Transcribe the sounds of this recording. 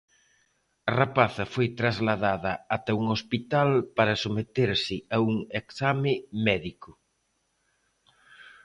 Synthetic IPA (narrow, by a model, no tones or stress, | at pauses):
ɐrapaθɐfojt̪ɾazlaðaðɐat̪ɐuŋospit̪alpaɾɐsomet̪eɾsɪauŋeksamɪmɛðikʊ